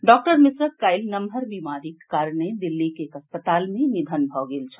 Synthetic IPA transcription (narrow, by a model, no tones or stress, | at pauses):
ɖɔːk̚ʈəɾmisɾəkkajlnəmɦəɾʋimaɾikːaːɾɳ̃ed̪ilːikekəspət̪aːlmenid̪ʱənbʱɔɡeːlt͡ʃʰə̥